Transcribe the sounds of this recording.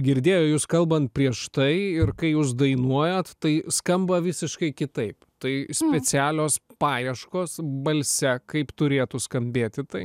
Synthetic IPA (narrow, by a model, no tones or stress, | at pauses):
ɡʲɪɾʲd̪ʲeːjoːjuːskɐlˠbɐnt̪̚pʲɾʲiɛʃt̪ɐɪɪɾkɐɪjuːs̬d̪ɐɪnuɔjɛt̪t̪ɐɪskɐmbɐʋʲɪsʲɪʃkɐɪkʲɪt̪ɐɪpt̪ɐɪsʲpʲɛt͡sʲæːlʲoːspɑːjɛʃkoːsbɐlʲsʲɛkɐɪpt̪ʊɾʲeːt̪ʊskɐmʲbʲeːt̪ʲɪt̪ɐɪ